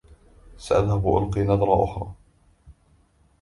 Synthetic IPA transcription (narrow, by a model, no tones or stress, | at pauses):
saʔaðhabʔʊ̰lqiːnɑd̪ˤɾˤɑʔʊ̰xɾˤɑː